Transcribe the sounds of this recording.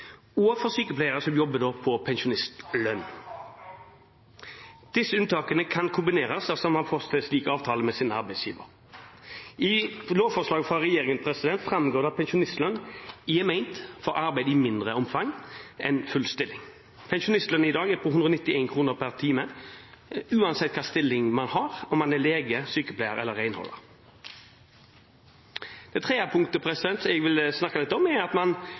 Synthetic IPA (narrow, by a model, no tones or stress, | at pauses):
uːɑfɔʁsyːkəpʰlæɪəʁəsɔmjɔbəd̪oːpʰɔpʰɛnʃʊnɪst̪lœn | d̪̥ɪsəʉnt̪ʰɑːkənəkʰɑnkʰʊmbɪneːʁɑsɛlsɔmɑfɔʁst̪əsliːkəɑːʋt̪ʰɑːləmɛsiːnəɑʁbæɪsjiːʋə̰ɾ | ʔɪloːʋfɔslɑːɡəfʁɑʁɛjeːʁɪŋənpʰɾɛsɪd̪ɛnt̪fʁɑmɡoːʁd̪ɑpʰɛnʃʊnɪst̪lœnɪɛmɛɪnt̪fɔɾɑɾʁbæɪd̪iːmɪnd̪ʁəɔmfɑŋɛnfʉlst̪ɪlːɪŋ | pʰɛnʃʊnɪst̪lœnɪd̪ɑːɡɛpʰɔhʉnd̪ʁɔnɪt̪ːɪeɪnkʰʁuːnəʁpʰæʁt̪ʰiːmə | ʉːɑnsɛt̪̚ːkʰɑːst̪ɪlːɪŋmɑnhɑʁɔmːɑnæleːɡəsyːkəplæɪəʁɛ̰lːəʁæɪnhɔ̰lːə̰ʁ | d̪̥ɛɪt̪ʰʁeːəpʰʊŋkt̪əpʰʁɛsɪd̪ɛnt̪sɛɡʋɪlsnɑkːɑlɪt̪ːəɔmɛɾɑt̪mɑn